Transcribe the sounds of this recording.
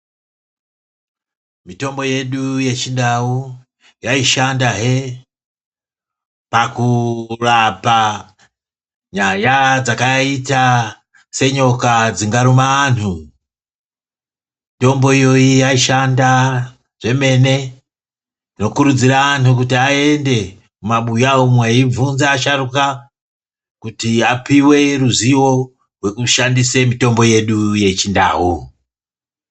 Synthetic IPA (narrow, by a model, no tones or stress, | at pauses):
mito̞mbo̞je̞ɗuje̞t͡ʃindau | jaiʃandaɦe̞ | pakurapa | ɲajad͡zakaita | se̞ɲo̞kad͡ziŋɡaɾumaan̤u | mito̞mbo̞ijo̞iaiʃanda | ʐ̥e̞me̞ne̞ | no̞kuɾud͡ziɾaʋanuk̬utiae̞nde̞ | mumaɓujaomwaivunzaːʃaruka | kutiapiwe̞ruziwo̞ | rwe̞kuʃandisemito̞mbo̞je̞ɗuje̞t͡ʃinda̰ːwu